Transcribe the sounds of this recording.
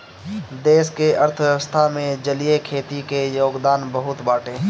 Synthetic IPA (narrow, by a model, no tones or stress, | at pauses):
d̪eːskeəɾt̪ʰwjəwəst̪ʰamẽd͡ʒəlijekʰeːt̪ikejoːɡd̪aːnbəɦʊt̪baːʈeː